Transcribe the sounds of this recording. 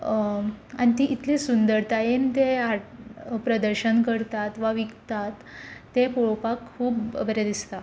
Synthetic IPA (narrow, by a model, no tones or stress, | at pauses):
a̰nit̪iʔit̪lesund̪əɾt̪ajent̪eaʈpɾəd̪əɾɕənkəɾt̪at̪ʋaʋiɡt̪at̪ːepoɭopakʰːuːbbəɾed̪ist̪a